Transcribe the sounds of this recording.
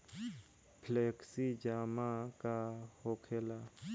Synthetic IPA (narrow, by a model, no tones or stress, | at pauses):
pʰleksid͡ʒamakahokʰela